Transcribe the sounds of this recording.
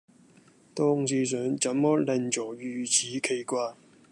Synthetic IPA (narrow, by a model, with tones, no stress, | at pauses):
t̪ɔː˧ŋsiː˨˧s̬œː˨˥ŋt͡sɐ˨˥mːɔː˥lɐ˨˧nt͡ʃɔː˨˩jyː˨˩t͡sʰiː˨˥kʰe˨jkʷaː˧